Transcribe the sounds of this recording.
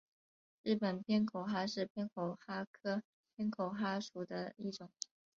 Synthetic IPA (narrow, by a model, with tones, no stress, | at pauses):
ɻɻ̩˥˩pə˨˩npʰjɛ˥nkʰo˨˩ʊxa˥ʂɻ̩˥˧pʰjɛ˥nkʰo˨˩ʊxa˥kʰɤ˥ | pʰjɛ˥nkʰo˨˩ʊxa˥ʂu˨˩d̪ə˦i˥˩ʈ͡ʂʊ˨˩˦ŋ